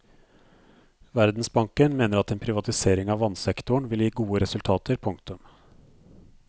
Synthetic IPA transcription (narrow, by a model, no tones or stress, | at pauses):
ʋæɾd̪n̩sbɑŋkənmeːnəɾɑt̪eːnpʰɾɪʋɑt̪ɪseːɾɪŋɑːʋɑnsɛkt̪ʊɳʋɪljiːɡuːəɾɛsʉlt̪ʰɑːt̪ʰəɾpʰʊŋkt̪ʉm